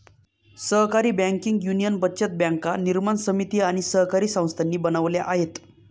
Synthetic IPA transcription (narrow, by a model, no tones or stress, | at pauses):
səɦkaɾiːbãŋkiŋɡjunijənbətːɕet̪̚bjaŋkaniɾmansəmit̪iːaɽ̃isəɦkaɾiːsə̃w̃st̪ʰanːiːbənəʋljaʔaɦet̪